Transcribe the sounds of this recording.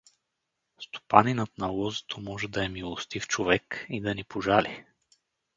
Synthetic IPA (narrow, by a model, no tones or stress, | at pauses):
st̪o̥paninət̪nɐlˠɔzɛ̥t̪ʰomɔʒɛd̪ɐɛmilˠost̪ift͡ʃovɛkid̪ɐnipoʒali